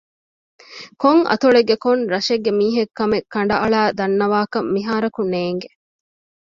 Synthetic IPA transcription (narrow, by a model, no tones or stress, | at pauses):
koŋʔɐ̰t̪uɭeɡːekonɾɐʃeɡːemiːɦekːɐmekːɐɳ̆ɖɐʔɐɭæːd̪ɐnːɐʋaːkɐmːiɦaːɾɐkuneːŋɡe